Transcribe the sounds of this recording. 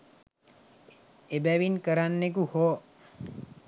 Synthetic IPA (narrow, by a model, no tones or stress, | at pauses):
ebæʋinkəɾanːek̬uho